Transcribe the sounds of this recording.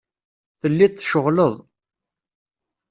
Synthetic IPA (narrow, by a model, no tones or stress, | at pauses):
θəlːitθʃəʁləðˤ